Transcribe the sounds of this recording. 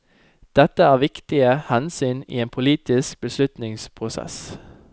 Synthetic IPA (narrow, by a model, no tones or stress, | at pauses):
d̪̥ɛt̪əæːʁʋɪkt̪ɪəhɛnsyːnḭːeːnpʰʊliːt̪ɪsk̚bəslʉt̪nɪŋspʰʁʊsɛ̰s